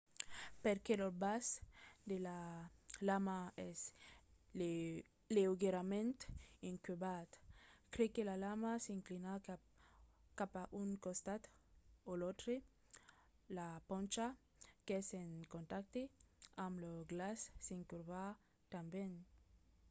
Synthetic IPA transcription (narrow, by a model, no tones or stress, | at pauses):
peɾkelobasd̪elalamaes | leuɣeɾamẽnt̪iŋkwubat̪kɾekelalamaseiŋklina | kapaʔuŋkost̪at̪olot̪ɾe | lapont͡ʃa | keeseŋkont̪ak̚t̪eamloɡlasːiŋkuɾβa | t̪ambjen